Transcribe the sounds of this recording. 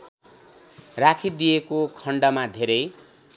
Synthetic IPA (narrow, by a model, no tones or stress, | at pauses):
rakʰid̪ijekokʰʌɳɖʌmad̪ʱeɾʌj